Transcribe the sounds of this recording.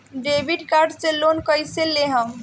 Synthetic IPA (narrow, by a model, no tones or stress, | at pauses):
ɖebiɖkaɾɖselonkəjselːeɦəm